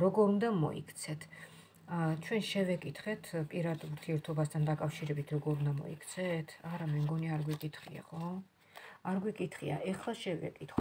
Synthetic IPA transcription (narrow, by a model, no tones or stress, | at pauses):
ɾɔɡɔɾund̪amɔ̰ḭkʰt̪sʰɛt̪ʰ | t͡ʃʰwɛnʃɛvɛkʼit̪ʰχɛt̪ʰpʼiɾad̪uɾt̪ʰiɛɾt̪ʰɔbast̪ʰand̪akʼafʃiɾɛbit̪ʰɾɔɡɔɾund̪amɔ̰ḭkʰt̪sʰɛt̪ʰaɾamɛmɡɔniaɾɡwikʼit̪ʰχḭa̰χɔ | aɾɡwikʼit̪ʰχia̰ʔɛχlaʃɛvɛ̰kʼit̪ʰχ